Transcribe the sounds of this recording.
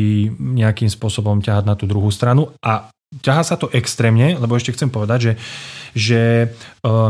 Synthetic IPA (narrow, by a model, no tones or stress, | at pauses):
iɲɛakiːmspʊɔsɔbɔmcaɦaɟnat̪uːd̪ɾuɦuːst̪ɾanuʔa | caɦaːsat̪ɔʔɛkst̪ɾɛːmɲɛlɛbɔɛʃcɛxt͡sɛmpɔʋɛd̪aɟʒɛʒɛ